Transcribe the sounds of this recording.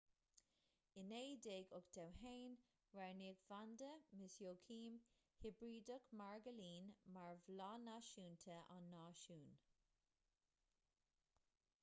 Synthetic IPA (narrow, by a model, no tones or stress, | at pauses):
ɪneːjd̪eːɡʊkd̪̥awɦeːn | ɹaɹniːɡvand̪əmɪsjoːkʰiːm | hɪbɹiːdəkmaɹɡəliːnmaɹvlɑːnaːʃuːnt̪ʰəa̰nːaːʃuːn